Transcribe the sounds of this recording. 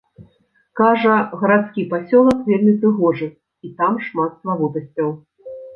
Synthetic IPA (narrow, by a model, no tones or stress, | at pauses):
kaʐɐɣɐɾat̪skʲipasʲɔlˠɐkvʲelʲmʲipɾɨɣɔʐɨ | it̪amʂmat̪st̪vɐvɔt̪ɐsʲt͡sʲːɐw